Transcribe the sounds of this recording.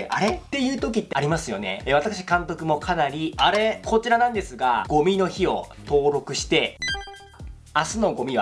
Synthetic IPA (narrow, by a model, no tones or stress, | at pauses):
ʔa̰ɾe̞t̪ːe̞jɯ̟ːt̪o̞kʲit̪ːeaɾʲimasɨjo̞ne̞̰βat̪akɯ̟ɕi̥kãnt̪o̞kɯ̟mo̞kʰanaɾʲiaɾe̞kʰo̞t͡ɕiɾanãnd̪e̞sɨɡa̰ɡ̥o̞mʲino̞çio̞̰t̪o̞ːɾo̞kɯ̟ɕi̥t̪e̞ | asɨno̞ɡo̞mʲiβa